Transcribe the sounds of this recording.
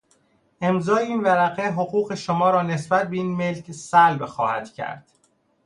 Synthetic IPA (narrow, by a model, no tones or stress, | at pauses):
ʔe̞mzɒːeiːnvæɾæʁeɦoɣuːɣe̞ʃomɒːɾɒːne̞sbæt̪̚ʰbe̞iːnme̞lcʰsælbxɒ̰ːhæ̰d̪cʰæ̰ɾd̪̥